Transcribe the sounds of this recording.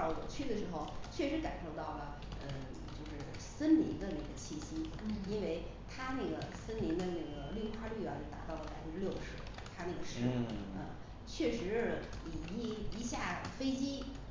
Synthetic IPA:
wɔ̰˨˩t͡ɕʰy˥d̪ə˨˩ʂɻ̩˧˥xo˥˧ʊt͡ɕʰɥɛ˥˩ʂɻ̩˧˥ka̰˨˩nʂo˥˧ʊt̪ɑ˥˩ʊlə˩ | ə˧ | t͡ɕjo˥˧ʊʂɻ̩˥˩ | sə˥nli˧˥ŋd̪ə˧na˥˩ɡə˩t͡ɕʰi˥˩ɕi˥i˥nwe˥˩ɪ | t̪ʰa˥na˥˩ɡə˩sə˥nli˧˥ŋd̪ə˧na˥˩ɡə˩ly˥˩˥xwa˥˧ly˥˩ɑ˧˥˧t̪a̰˧˥t̪ɑ˥˩ʊlə˧˩a˧˥t͡ɕo˥˧ʂljo˥˧ʊʂɻ̩˥˩ | t̪ʰa˥na˥˩ɡə˩ʂɻ̩˥˩ə̰˧ | t͡ɕʰɥɛ˥˩ʂɻ̩˧˥˧ | i˨˩˥i˧˥ɕja˥˩fe˥ɪt͡ɕi˥

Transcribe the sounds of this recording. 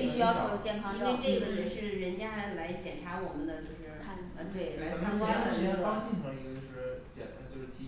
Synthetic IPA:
i˥˩ɕy˥jɑ˥ʊk̪ʰo˥˩˧t͡ɕjɛ˥˩nkʰɑ˥ŋi˥n˥we˥˧ɪʈ͡ʂɤ˥˩ɡə˩ɻə˧˥nʂɻ̩˥˩ɻə˧˥nt͡ɕja˥xa˥˨˩la˧˥ɪt͡ɕjɛ˨˩nʈ͡ʂʰa˧˥wɔ˨˩mə˦nd̪ə˧t͡ɕjo˥˧ʊʂɻ̩ʰ˥˩˥n˧˩t̪we˥˩ɪla˧˥kʰa˥ŋkwɑ˥˧˥ɑ˥t͡ɕi˥˩ntʰɤ˧˥ŋ˧i˧˥˧ə˧t͡ɕo˥˧˥ʊʂ̩˥˩t͡ɕjɛ̰˨˩na˧˥t͡ɕjo˥˧ʊʂɻ̩˥˩t̪ʰ

